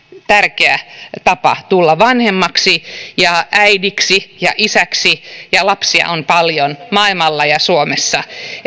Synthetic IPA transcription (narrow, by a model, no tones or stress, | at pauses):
t̪ærkeæ̰t̪ɑpɑ̰t̪ulːɑʋɑnhemːɑksijɑʔæidiksijɑ̰ʔisæksijɑlɑpsiɑ̰ʔonpɑljonmɑilmɑlːɑjɑsuomesːɑ